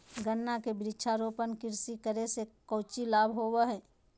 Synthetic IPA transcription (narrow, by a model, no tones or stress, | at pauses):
ɡənːakebɾɪt͡ʃʰaɾoːpənkɪɾsikəɾesekəːt͡ʃilaːbʱɦowəɦɛ̃ː